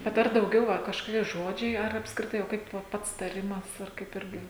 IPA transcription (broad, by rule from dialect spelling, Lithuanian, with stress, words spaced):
bʲɛt ˈɐr dɐʊˈɡʲɛʊ ˈʋɐ kɐʃkoːˈkʲiɛ ˈʒoːd͡ʒʲɛɪ ɐr ɐpskrʲɪˈtɐɪ oː ˈkɐɪp ʋɐ ˈpɐts tɐˈrʲɪmɐs ɐr ˈkɐɪp ˈɪrʲɡʲɪ